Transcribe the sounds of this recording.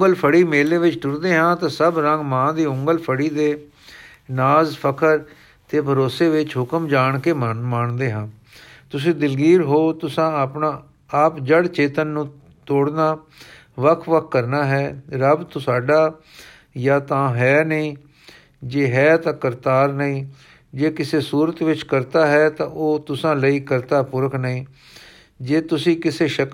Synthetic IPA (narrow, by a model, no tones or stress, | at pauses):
ŋɡəlpʰəɽiːmeːleːʋɪt͡ʃʈʊɾd̪eːɦãːt̪ãːsəbɾə̃ŋɡmãːd̪iːʊŋɡəlpʰəɽiːd̪eː | naːzpʰəkʰəɾ | t̪eːbʱəɾoːseːʋɪt͡ʃɦʊkəmd͡ʒaːɳkeːmaːɳd̪eːɦãː | t̪ʊsĩːd̪ɪlɡiːɾɦoːt̪ʊsãːəpnaː | aːpd͡ʒəɽt͡ʃeːt̪ənːũː | t̪oːɽnaː | ʋəkʰʋəkʰːəɾnaːɦɛːɾəbt̪ʊsaːɖaː | jaːt̪ãːɦɛːnəĩː | d͡ʒeːɦɛːt̪ãːkəɾt̪aːɾnəĩː | d͡ʒeːkɪseːsuːɾət̪ʋɪt͡ʃkəɾt̪aːɦɛːt̪ãːʔoːt̪ʊsãːləiːkəɾt̪aːpʊɾəkʰnəĩː | d͡ʒeːt̪ʊsĩːkɪseːʃək